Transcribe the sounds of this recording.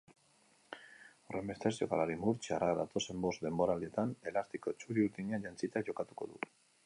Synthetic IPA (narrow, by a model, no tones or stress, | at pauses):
ore̞mbest̪esio̞̰ka̰laɾimuɾt͡ʃaraðat̪o̞se̞mbo̞zd̪e̞mbo̞ɾalie̞t̪ane̞last̪iko̞t͡ʃuɾiuɾt̪iɲeanʝant͡sit̪eaʝo̞kat̪u̥ko̞ðṵ